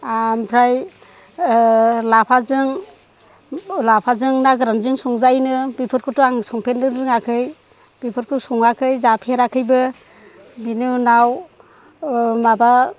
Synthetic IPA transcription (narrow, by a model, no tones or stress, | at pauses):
ampʰɾaj | lapʰazɯŋ | lapʰazɯŋnaɡɾanzɯŋsɔŋzajnɯbipʰɯɾkʰɔtuaŋsɔŋpʰendɯɾɯŋakʰɯj | b̥ipʰɯɾkʰɯsɔŋakʰɯjzapʰeɾakʰɯjbɯ | binunaw | maba